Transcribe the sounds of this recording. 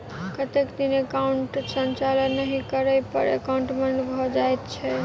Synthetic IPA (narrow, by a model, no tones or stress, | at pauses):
kət̪ekd̪inekauɳʈsənt͡ʃalənːəɦĩkəɾəjpə̰ɾḛkauɳʈmenbʱɔd͡ʒajt̪t͡ʃʰɛ